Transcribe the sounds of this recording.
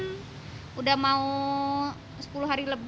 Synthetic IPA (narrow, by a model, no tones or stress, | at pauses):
n | udahmau | sə̥puluɦaɾiləb